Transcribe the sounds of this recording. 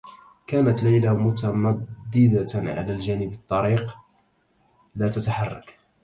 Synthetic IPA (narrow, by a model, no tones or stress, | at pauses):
kæːnat̪lajlamʊt̪amad̪ːɪd̪aʕa̰læld͡ʒæːnɪbɑt̪ˤːɑɾiːq | læːt̪at̪aħɑrˤːɑ̰k